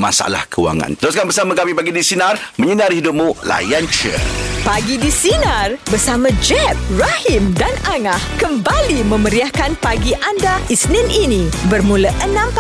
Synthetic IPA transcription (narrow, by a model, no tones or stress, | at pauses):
ma̰sa̰la̰hkəwa̰ŋã̰nt̪əɾuskanbərsamãkamipaɡidisinarmə̃ɲənarɦidʊp̚mũla̰jant͡ʃə̰paɡidisinarbərsamãd͡ʒɛp̚rahimdanaŋahkəmbalimə̃məɾiahkanpaɡiʔandaisnɪninĩbərmũləʔənãmp